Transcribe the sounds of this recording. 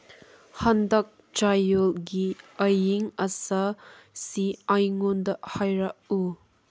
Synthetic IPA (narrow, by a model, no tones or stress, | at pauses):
hɐndɐk̚ | t͡ʃajolɡiɐjiŋɐsɐ | siajŋondɐhajɾɐʔ̚u